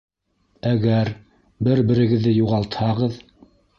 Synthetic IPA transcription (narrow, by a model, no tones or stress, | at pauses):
æɡæɾ | bɘɾbɘ̆ɾɘ̆ɡɘ̆ðːɘjuʁɑlˠt̪hɑʁɤð